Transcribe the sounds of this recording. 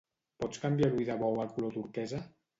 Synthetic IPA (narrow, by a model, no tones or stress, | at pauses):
pɔt͡skambjaɾuiðaβɔwalkulot̪uɾkɛza